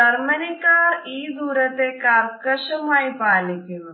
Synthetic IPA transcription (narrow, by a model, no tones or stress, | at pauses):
ɐɾmɐnikaːɾiːduːɾɐt̪eːkaːɾkɐʃɐmaːipaːlikiʋ